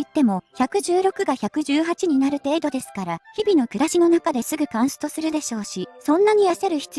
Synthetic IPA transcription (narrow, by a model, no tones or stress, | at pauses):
it̪ːe̞mo̞çʲakɯ̟ʑɨːɾo̞kɯ̟ɡaçʲakɯ̟ʑɨːɦat͡ɕiɲ̟inaɾɯ̟t̪e̞ːd̪o̞d̪e̞sɨ̥kaɾaçibʲinokɯ̟ɾaɕino̞nakad̪e̞sɨɡɯ̟kãɰ̃so̥t̪o̞sɨɾɯ̟d̪e̞ɕo̞ːɕisõ̞nːaɲ̟ijaɕaɾɯ̟çi̥t͡sɨ